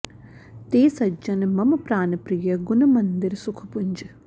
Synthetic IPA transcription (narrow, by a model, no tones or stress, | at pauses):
t̪eːsɐd͡ʒɐnmɐmɐpɾaːnɐpɾijɐɡunɐmɐnd̪iɾsukʰɐ̥puɲd͡ʒɐ